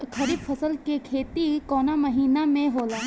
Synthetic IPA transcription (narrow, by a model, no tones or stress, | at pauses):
kʰɐɾiːbfʰɐsəlkekʰeːt̪ikɔːnamɐɦiːnamẽɦoːlaː